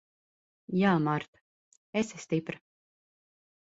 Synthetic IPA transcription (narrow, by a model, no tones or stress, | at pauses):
jaːmaɾt̪ | esɛst̪ipɾ